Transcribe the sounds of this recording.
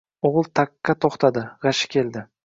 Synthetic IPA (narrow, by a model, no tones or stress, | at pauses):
oʁɨlˠt̪ʰakːat̪ʰoχt̪ʰad̪ɪʁɑʃɪ̥kʲʰe̞ld̪ɪ